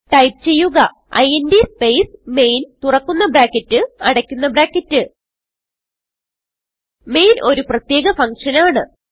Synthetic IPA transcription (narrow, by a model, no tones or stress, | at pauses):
ʈɐjp̚t͡ɕe̞jːuɣɐ | ɐ̰jendispe̞jsme̞jnt̪urɐkːunːɐbɾaːkːɐtːɨɐɽɐkʲːunːɐbɾaːkːɐtːɨ | me̞jnʔo̞ɾuprɐt̪je̞ːɣɐfɐŋkʂɐnaːɳɨ